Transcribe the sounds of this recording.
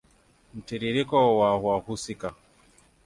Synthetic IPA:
m̩tiɾiɾikɔwahwahusika

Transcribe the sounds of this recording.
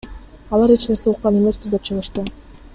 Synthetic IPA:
ɑlˠɑɾit͡ʃle̞ɾseuqːɑne̞me̞sbizd̪e̞p̚t͡ʃʰɯʁɯʃt̪ɯ

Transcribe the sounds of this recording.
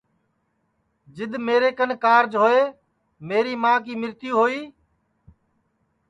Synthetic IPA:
d͡ʒɪd̪meːɾeːkənkaːɾd͡ʒɦoːeː | meːɾiːmãːkiːmɪɾt̪jũːɦoːiː

